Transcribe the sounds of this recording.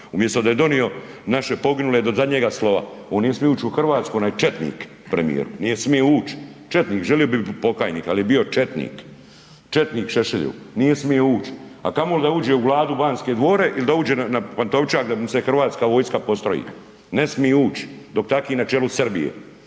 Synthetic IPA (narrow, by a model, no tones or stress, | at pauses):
umjest̪od̪aje̞d̪o̞nio̞ | naʃe̞po̞ɡinuled̪ozad̪ɲeɡaslo̞ʋa̰oːnːijesmieuːt͡ʃuxr̩ʋaːt̪skojonaːjet͡ʃet̪nḭːk | pɾḛmḭjḛɾṵnijesmijeuːt͡ʃt͡ʃet̪niːkʒelijo̞bipo̞kaːjniːkaljebio̞t͡ʃet̪nḭːk | t͡ʃet̪niːkʃeʃeʎṵnijesmijeuːt͡ʃa̰kamold̪auːd͡ʒeuʋlˠaːd̪ubaːnskeːd̪ʋo̞ːɾe̞ʔilid̪auːd͡ʒeːanapant̪o̞ʋt͡ʃakd̪amse̞xr̩ʋaːt̪skaʋo̞ːjskapo̞st̪ɾo̰jḭ | nesmijeuːt͡ʃd̪o̞kt̪akiːnat͡ʃelusrbijḛ